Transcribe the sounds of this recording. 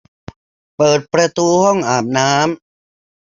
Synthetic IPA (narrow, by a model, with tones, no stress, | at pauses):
pɤː˨˩t̪̚pɾa˧t̪uː˧hɔ˥˩ŋʔaː˨˩p̚naː˦˥m